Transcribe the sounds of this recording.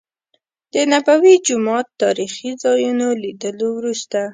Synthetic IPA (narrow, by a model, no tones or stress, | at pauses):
d̪̥ənabawid͡ʒʊmɑt̪ːɑɾixizɑjunolid̪əlowɾust̪a